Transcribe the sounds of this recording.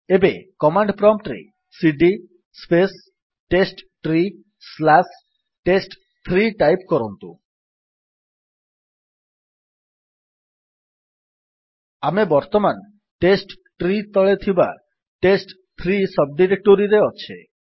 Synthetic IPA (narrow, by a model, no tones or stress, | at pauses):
ebekɔmaɳɖpɾɔmʈ̪ɾḭ | siɖi | spes | ʈesʈʈɾi | slas | ʈesʈ | t̪ʰɾiʈajpkɔɾɔnt̪ṵ̃ | amebɔɾt̪ɔman | ʈesʈ | ʈɾit̪ɔɭet̪ʰiba̰ | ʈesʈ | t̪ʰɾisɔb̚ɖiɾek̚ʈoɾiɾeɔt͡ʃʰḛ